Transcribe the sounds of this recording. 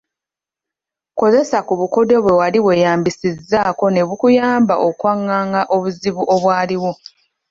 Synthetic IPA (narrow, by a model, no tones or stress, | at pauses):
ko̞ze̞sakuβuko̞do̞βwe̞waliβwe̞jaːmbisizːaːko̞ne̞βukujaːmba̰ʔo̞kwaŋːaːŋɡaʔo̞βuziβuʔo̞βwaːliwo